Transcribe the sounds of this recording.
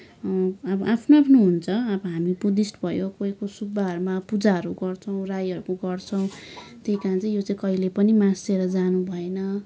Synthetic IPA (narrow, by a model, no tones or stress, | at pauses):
ʌbʌʔapʰnoapʰnoɦunt͡sʰʌʌbʌɦamibud̪isʈbʱʌjokoikosubːaɦʌɾumapud͡zaɦʌɾuɡʌrt͡sʰʌw̃rajʌɾukoɡʌrt͡sʰʌw̃t̪ejkãt͡saĩjot͡sãĩkʌilepʌnimãseɾʌd͡zanubʱʌenʌ